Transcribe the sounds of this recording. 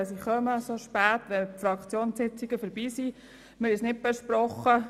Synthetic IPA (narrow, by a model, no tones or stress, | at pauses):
siχœməsoʃpæːtʋɛnpfɾɑkʰt͡sjoːnɪt͡siɡ̥əfəɾbiːsi | mɪɾɪsnɪt̚bɛʃprɔχːə